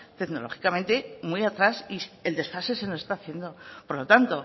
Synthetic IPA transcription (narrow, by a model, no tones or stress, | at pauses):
t̪e̞ɡno̞lo̞̰xi̥kament̪e̞mwijat̪ɾasield̪e̞sfase̞seloest̪aːθje̞nd̪o̞po̞ɾlo̞t̪ant̪o̞